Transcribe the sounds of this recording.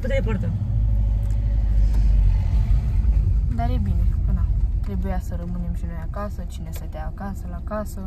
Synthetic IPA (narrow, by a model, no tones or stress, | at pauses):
t̪ud̪eepəɾt̪a | d̪aɾjebineənat̪ɾebujasəɾəmɨnimʃinuakasət͡ʃinesət̪jaːkasəlakasə